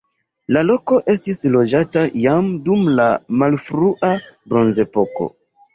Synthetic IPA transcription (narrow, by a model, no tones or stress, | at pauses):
lalo̞ko̞ʔe̞stislo̞d͡ʒatajamdumlamalfɾuʔabɾo̞nze̞po̞ko̞̰